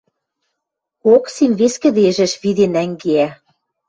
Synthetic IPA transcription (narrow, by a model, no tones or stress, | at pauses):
oksimβeskɘ̆d̪eʒɘ̆ʃβid̪enæŋɡeæ